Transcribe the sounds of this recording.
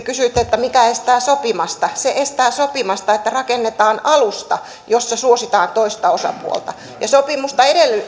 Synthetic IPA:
kysyːˑt̪ːeet̪ːæmikæest̪æːsopimɑst̪ɑseʔest̪æːsopimɑst̪ɑet̪ːærɑkenːet̪ɑːnɑlust̪ɑ | josːɑsuosit̪ɑːnt̪oist̪ɑosɑ̰pṵo̰lt̪ɑ | jɑsopimust̪ɑedelː

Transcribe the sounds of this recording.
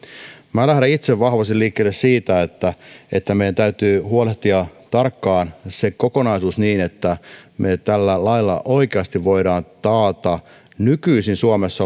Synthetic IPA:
mælæhɾæit̪seʋʋɑhʋɑst̪iliːkːeːlessiːt̪æet̪ːæe̞t̪ːæmejænt̪æyt̪yːhuoleht̪iɑt̪ɑrkːɑːnsekoko̞nɑisuːsniːne̞t̪ːæmet̪ælːælɑilːɑ̰ʔo̞ikeɑst̪iʋʋo̞iɾɑːnt̪ɑːt̪ɑ | nykyisinsuomesːɑ

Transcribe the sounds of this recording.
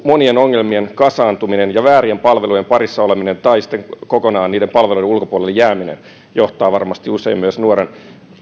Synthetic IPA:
mo̞nie̞no̞ŋːelmie̞nkɑsɑːnt̪uminenjɑʋæːɾiempɑlʋelujempɑɾisːɑo̞leminent̪ɑisi̥t̪ːeŋkokonɑːnniːdempɑlʋelujdeulkopuolelːejæːminḛn | joht̪ɑːʋɑrmɑst̪iuse̞imːyøsnuoɾen

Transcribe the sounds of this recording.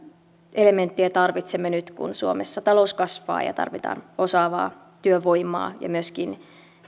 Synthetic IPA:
ʔele̞ment̪ːiæt̪ɑrʋit̪semːenyt̪kṵnsuo̰mesːɑt̪ɑlouskɑsʋɑ̰ːjɑ̰t̪ɑ̰rʋit̪ɑ̰ːnosɑːʋɑ̰ː | t̪yøʋoimɑ̰ːjɑ̰myøskin

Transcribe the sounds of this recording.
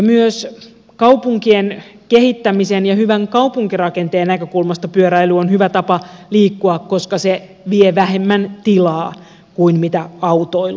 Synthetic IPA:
jɑmyøs | kɑupuŋkien | kehit̪ːæmisenjɑhyʋæŋkɑupuŋkirɑkent̪eːnnækøkulmɑst̪ɑpyøɾæilyonhyʋæt̪ɑpɑliːkːuɑkkoskɑse | ʋieʋæhemːænt̪ilɑː | kuinmit̪æɑwt̪oil

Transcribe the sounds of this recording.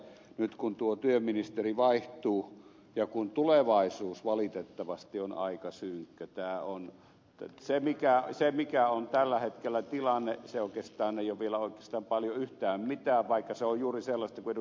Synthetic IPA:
nyt̪kunt̪uot̪yøminist̪eriʋɑiht̪uː | jɑkunt̪uleʋɑisuːsʋɑlit̪et̪ːɑʋɑst̪ionɑ̰ikɑsyŋkːøt̪æːon | semikæsemikæont̪ælːæhet̪kelːæt̪ilɑnːeseoˑikest̪ɑːneijoʋʋielæoˑikˑeːst̪ɑːmpɑljoyht̪æːmmit̪æːʋʋɑikːɑseojjuːriselːɑst̪ɑkuei

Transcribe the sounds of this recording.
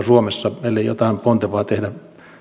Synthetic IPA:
suomesːɑmeilːejjo̰t̪ɑˑimpont̪eʋɑːt̪ehdæ

